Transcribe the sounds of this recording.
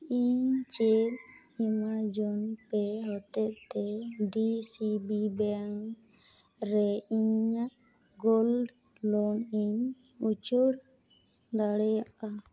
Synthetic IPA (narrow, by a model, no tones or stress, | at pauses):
iɲt͡ʃel | imad͡ʒɔnpɛɦɔt̪ɛʔt̪ɛɖisibibɛŋ | ɾɛiɲaʔ | ɡolɖ | lɔniɲ | ut͡ʃuɾ | d̪aɽɛjaʔa